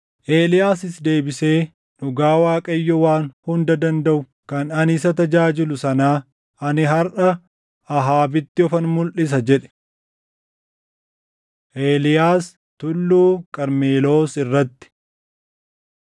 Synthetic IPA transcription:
ʔe̞ːlɪjaːsɪsd̪e̞ːbɪse̞ː | nʊɡaːwaːkʼɐjːɔwaːnhʊnd̪ɐd̪ɐnd̪ɐʔʊ | kɐnɐnɪs̬ɐt̪ɐd͡ʒaːd͡ʒɪlʊsɐnaː | ɐnɪɦɐɾʔɐ | ɐɦaːbɪt̪ːɪɔfɐnmʊlʔɪs̬ɐd͡ʒɛᶑɛ̥ | ʔe̞ːlɪjaːs | t̪ʊlːuːkʼɐɾmeːlo̞ːsɪrːɐt̪ːɪ̥

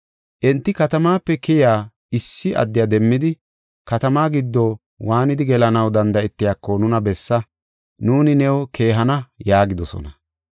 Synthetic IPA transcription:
ʔɛnt̪ːɪkɐt̪ɐmaːpːɛkɪjaː | ɪsːɪʔɐ̰d̪ːɪjad̪ɛmːɪd̪ɪ | kɐt̪ɐmaːɡɪd̪ːɔ | waːnɪd̪ɪɡɛlɐnɐwd̪ɐnd̪ɐɛt̪ːɪjaːkːɔnʊnɐbɛsːɐ | nuːnɪnɛwɔkʰe̞ːɦɐnɐjaːɡɪd̪ɔsɔ̰nɐ

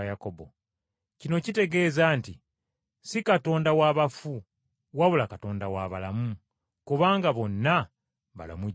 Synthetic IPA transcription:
ajakobo̞̰ | cino̞cite̞ɡe̞ːzaːnti | sikato̞ːndawaβafu | waβulakato̞ːndawaβalamu | kuβaːŋɡaβo̞nːa | βa̰la̰mu

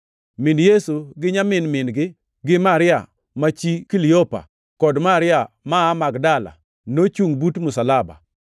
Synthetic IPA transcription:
mɪnjesuɡɪɲamɪnmɪnɡɪ | ɡɪmaɾɪa̰ | mat͡ʃikilɪopa̰ | kɔdmaɾɪa | maːmaɡdala̰ | not͡ʃuŋbutmʊsalaba̰

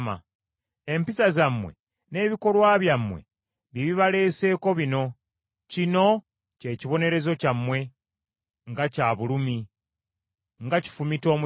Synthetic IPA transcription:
ma̰ | e̞mpisazamːwe̞̰ | ne̞ːβiko̞lwaːβjamːwe̞̰ | βiβiβale̞ːse̞ːko̞βino̞ | cino̞ | ce̞ːciβo̞ne̞ɾe̞zo̞camːwe̞ | ŋɡacaːβulumi | ŋɡaci̥fumito̞ːmu

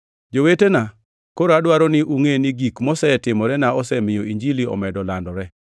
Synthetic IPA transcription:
d͡ʒowetena | koɾadwaɾɔnɪʔuŋenɪɡikmɔsɛtɪmɔɾɛnaɔsɛmɪjoiɲd͡ʒiliɔ̰mɛdɔlandɔɾɛ

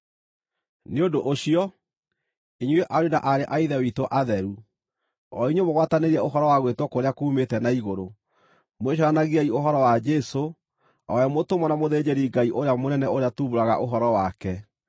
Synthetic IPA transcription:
neodoʔoɕiɔ | iɲweʔaɾena̰ʔaɾeʔaiðɛwitoʔaðɛɾu | ɔiɲemoɣwataneɾiɛoɦɔɾɔwaɣwetwɔkoɾeakuːmetɛnaiɣoɾo | moeɕ̬aɾanaɣiaioɦɔɾɔwad͡ʒɛso | ɔɛmotomɔnamoðed͡ʑeɾiɡaiʔoɾeamonɛnɛoɾeatuβuɾaɣa̰ʔoɦɔɾɔwakɛ

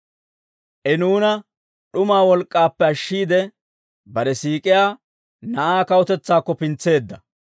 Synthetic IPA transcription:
ʔɛnuːnɐ | ɗʊmaːwɔlkʼːaːpːɛɐʃːiːd̪ɛ | bɐɾɛsiːkʼɪjaː | nɐʔaːkɐɔt̪ɛt͡sːaːkːɔpɪnt͡sːe̞ːd̪ːɐ

